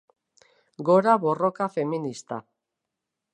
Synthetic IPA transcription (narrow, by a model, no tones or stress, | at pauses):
ɡo̞ɾaβo̞ro̞kafe̞minist̪a̰